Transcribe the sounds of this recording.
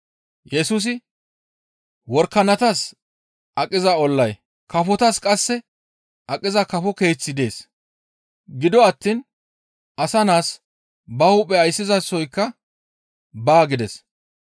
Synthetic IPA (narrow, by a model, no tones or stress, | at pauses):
jɛsus̬ɪ | wɔɾkːɐnɐt̪ɐs | ʔɐkʼːɪzɐɔlːɐj | kɐfɔt̪ɐskʼɐsːɛ | ʔɐkʼːɪzɐkɐfɔke̞ːt͡sːɪd̪e̞ːs | ɡɪd̪ɔɐt̪ːin | ʔɐsɐnaːs | bɐhuːpʼːɛɐjsːɪzɐsːɔjkːɐ | baːɡɪd̪ɛs